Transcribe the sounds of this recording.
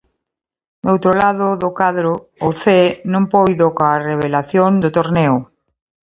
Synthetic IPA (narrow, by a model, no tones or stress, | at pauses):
nowt̪ɾolaðʊðʊkaðɾʊː | θenõmpojðokaːreβ̞elaθjond̪ʊt̪oɾnɛo